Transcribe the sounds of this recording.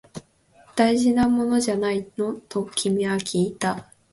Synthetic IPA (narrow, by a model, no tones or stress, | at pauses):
d̪̥aiʑinamo̞no̞ʑanaino̞t̪o̞kʲʰimʲiβakʲʰiːt̪a